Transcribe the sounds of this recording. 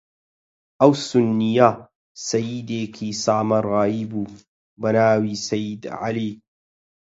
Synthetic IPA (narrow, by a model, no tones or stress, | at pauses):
ʔɐwsʊnːija | sɐjid̪eːkʰiːsaːmɐɾˤɣaibuː | bɐnaːwiːsɐjːid̪ʕa̰li